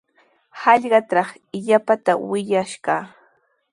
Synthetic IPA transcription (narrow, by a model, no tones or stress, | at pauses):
hɑʎɢɑt̪ɾɑχ | ɪʎapat̪awɪʎaʃɢɑː